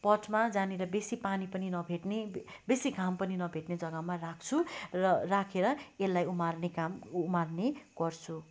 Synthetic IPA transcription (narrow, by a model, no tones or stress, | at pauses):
pʌt͡smad͡zaneɾʌbesipanipʌninʌbʱeʈne | besikʰampʌninʌbʱeʈned͡zʌɡʌmarakʰt͡sʰurʌrakʰeɾʌelːajumarnekamumarneɡ̥ʌrt͡sʰu